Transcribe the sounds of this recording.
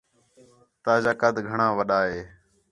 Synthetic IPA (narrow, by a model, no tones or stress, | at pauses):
t̪aːd͡ʒaːkad̪ɡʱəɳãːʋəɗaːɦeː